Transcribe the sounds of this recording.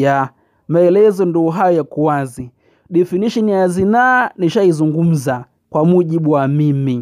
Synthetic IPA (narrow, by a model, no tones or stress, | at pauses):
ja | maɛlɛzɔnduːɦajɔjakuwazi | ɗɛfiniʃɔnijazinaːniʃaizuŋɡum̩za | kwamuʄiɓuwamimi